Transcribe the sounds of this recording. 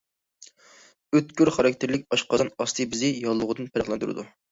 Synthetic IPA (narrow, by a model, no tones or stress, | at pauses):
øt̪kʰʲyɾχɑɾɑkʲt̪ʰɪɾlɪk̚ʲɑʃqɑɑnɑst̪ʰɨbɪzɪjɑlˠːʊʁəd̪ɨnpʰæɾəχlˠɛnd̪uɾɨ̰d̪u